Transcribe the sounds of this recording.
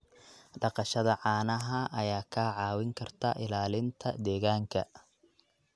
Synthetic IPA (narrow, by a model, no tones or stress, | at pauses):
ɖɑqɑʃɐðɐʕɑːnɐɦɐʔɐjaːkʰaːʕɑːwɪŋkʰɐrt̪ʰɐʔɪlaːlɪnt̪ʰɐ̰d̪ɛːɣaːŋkʰɐ̰